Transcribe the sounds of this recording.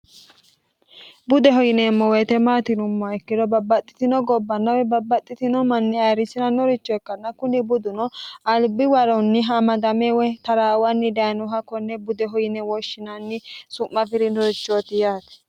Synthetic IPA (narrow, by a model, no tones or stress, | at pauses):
bʊd̪ɛɦɔjɪnɛːmːɔwɛt̪ɛmaːt̪ɪnʊmːɔɛkːɪd̪ɔbɐbːɐt̪ʼːɪ̥t̪ɪnɔɡɔbːɐnːɐwɛbɐbːɐt̪ʼːɪt̪ɪnɔmɐnːɪɐjɾɪsɪnɐnɔɾɪt͡ʃːɔɛkːɐnːɐkʊnɪbʊd̪ʊnɔɐlbɪwɐɾɔnːɪɦɐmɐd̪ɐmɛwɛt̪ɐɾaːwɐnːɪd̪ɐjnɔɦɐkːɔnːɛbʊd̪ɛɦɔjɪnɛwɔʃːɪnɐnːɪsʊmːɐfɪɾɪnɔɾɪt͡ʃːɔt̪ɪjaːt̪ɛ̥